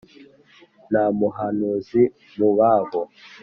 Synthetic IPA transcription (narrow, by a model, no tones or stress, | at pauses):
namuɦanuzi | muβaβɔ